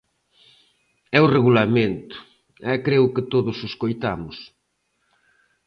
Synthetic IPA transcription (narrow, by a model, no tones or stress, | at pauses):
ɛʊreɣulamẽnt̪ʊ̥ | ɛkɾeʊkɪt̪oðʊsɪskojt̪amʊs